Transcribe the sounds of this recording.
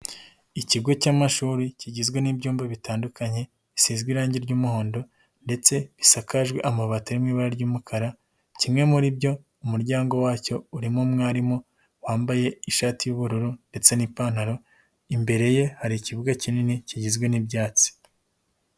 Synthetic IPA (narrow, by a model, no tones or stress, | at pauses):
iciɡo̞camaʃuːɾiciɟizɡwe̞nibɟuːmbaβitaːndukaɲe̞ | isiːzɡwiɾaːɲɟiɾɟuːmuho̞ːndo̞ | nde̞t͡se̞βisakaʒɡweʔamaβatiɾimŋiːβaɾaɾɟuːmukʰaɾa | cimŋe̞muɾibɟo̞ | umuɾɟaːŋɡo̞waːco̞uɾimumŋaːɾimo̞ | waːmbaje̞iʃaːtijuːβuɾuɾunde̞t͡se̞nipan̥haɾo̞ | imbe̞ɾe̞je̞haɾiːciβuɡacininiciɟizɡwe̞nibjaːt͡si̥